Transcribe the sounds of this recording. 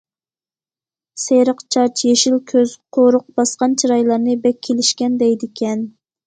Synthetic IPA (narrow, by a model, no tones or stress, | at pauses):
seɾəqt͡ʃʰɑt͡ʃʰjeʃilkʲʰøz̥qʰoɾʊq̚b̥ɑsqɑnt͡ʃʰiɾɑjlˠɑɾnɨbɛkʲʰːelɪʃkʲɛnd̪ɛjd̪ɪkʲʰɛn